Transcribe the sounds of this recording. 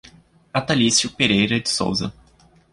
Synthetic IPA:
at̪alisjʊpeɾejɾɐd͡ʒɪso̰wzɐ̰

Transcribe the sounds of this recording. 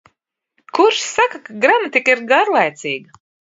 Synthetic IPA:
kuɾʃssakakaɡɾamat̪ikiɾɡaɾlˠajt̪siːɡɐ

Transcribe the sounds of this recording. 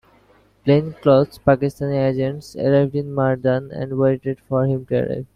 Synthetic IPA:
plẽnklɔzpækisʈãnied͡ʒẽɳʈsḛlevɖĩnmaɾɖãnɛ̰̃ɳɖweːʈeɖfɔɾhĩmʈuḛla̰ɪv

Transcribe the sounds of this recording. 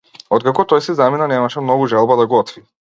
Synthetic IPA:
ɔt̪̚kakɔt̪ɔjsizaminanɛmaʃɛmnɔɡuʒalˠbad̪aɡɔt̪vi

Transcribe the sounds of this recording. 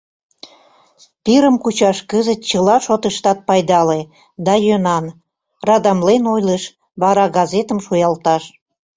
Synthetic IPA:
piɾəmkut͡ɕɑʃkəzət̪̚t͡ɕəlɑʃot̪əʃt̪ɑt̪̚pɑjd̪ɑle | d̪ɑjønɑn | rɑd̪ɑmlenojleʃ | βɑɾɑɡɑzet̪əmʃujɑlt̪ɑʃ

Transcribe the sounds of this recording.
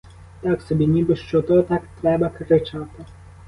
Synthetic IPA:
t̪ɑksɔbʲinʲibɪʃt͡ʃɔt̪ɔt̪ɑkt̪ɾɛbɐkɾɪt͡ʃɑt̪ɪ

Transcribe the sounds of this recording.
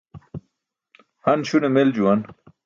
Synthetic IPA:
hɐnɕunemeld͡ʑuwɐn

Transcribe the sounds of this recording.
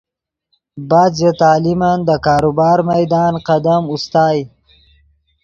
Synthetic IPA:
baːd̪zet̪ɑːlimand̪əkɑːɾubɑːɾmajd̪ɑːnqad̪amust̪ɑːj

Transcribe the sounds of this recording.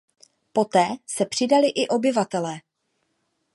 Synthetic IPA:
po̞t̪ɛːsɛpr̥ɪdalɪʔɪʔo̞bɪvat̪ɛlɛː

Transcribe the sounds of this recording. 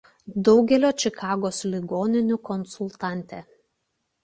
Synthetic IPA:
d̪ɒʊɡʲɛlʲoːt͡ʃʲɪkʰɑːɡoːslʲɪɡoːnʲɪnʲʊkɔnsʊlˠt̪ɑˑnʲt̪ʲe

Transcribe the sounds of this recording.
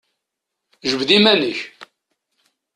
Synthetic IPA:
ʒəvðimænəç

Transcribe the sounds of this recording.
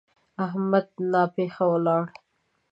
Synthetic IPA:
aɦmad̪̚nɑpexawlɑɽ

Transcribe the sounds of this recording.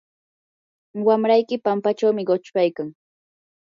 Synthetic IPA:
wamɾajkɪpampat͡ʃawmɪɢot͡ʃpajkaŋ

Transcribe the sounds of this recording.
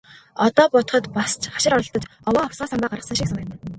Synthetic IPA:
ɔt̪ɔːpɔt̪ɞ̆χɞ̆t̪past͡ɕχḁʃɪ̆ɾɔɾɞ̆ɬt̪ɞ̆t͡ɕɔwɔːɔwsɢaːsampaːɢaɾʁə̆săʃiksanăt̪ː

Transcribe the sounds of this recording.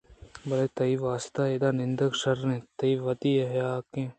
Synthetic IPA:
bɐlet̪ɐiʋaːsɪ̥t̪aːed̪aːnɪnd̪əkʃɐɾnẽt̪ɐiʋɐt̪ieɦjaːkẽː

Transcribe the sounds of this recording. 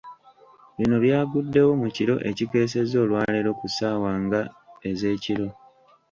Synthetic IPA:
βino̞βjaːɡudːe̞wo̞muciɾo̞̰ʔe̞̰cike̞ːse̞zo̞ːlwaːleɾo̞kusaːwaːŋɡae̞ze̞ːciɾo̞

